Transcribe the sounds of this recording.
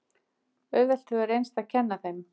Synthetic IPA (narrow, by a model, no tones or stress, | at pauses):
œɥvɛl̥t̪ʏɛɾejnst̪aðcʰɛnːaθejm